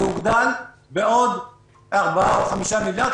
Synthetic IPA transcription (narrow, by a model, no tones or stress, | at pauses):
uɡd̪al | beʔod̪ | aʁbaaoχamiʃamiljad̪